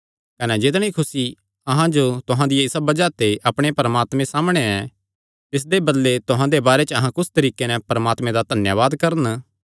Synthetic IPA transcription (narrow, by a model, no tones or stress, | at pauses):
kɐnɛd͡ʒɪt̪ɽ̃ikʰʊsi | ɐɦãd͡ʒot̪ʊɦãd̪ɪjaɪsɐbɐd͡ʒat̪eʔɐpɽ̃epɐɾəmaːt̪mẽsaːmɽ̃eɛ | t̪ɪs̬d̪ebɐd̪let̪ʊɦãd̪ebaːɾet͡ʃəɐɦãkʊst̪ɐɾiːkenɛ̃pɐɾɐmaːt̪mẽd̪ad̪ʱɐnjaʋaːd̪kɐɾən